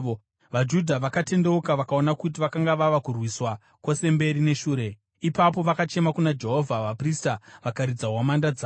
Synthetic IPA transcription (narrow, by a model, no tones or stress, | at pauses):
ʋad͡ʒudʱaʋakate̞nde̞ukaʋakao̞nakut̬iʋakaŋɡaʋaʋakurwiswa | kwo̞se̞mbe̞ɾine̞ʃuːɾe̞ | ipap̬o̞ʋakat͡ʃe̞makunad͡ʒe̞ɦovʱaʋapristaʋakaɾid͡zawamandad͡zaː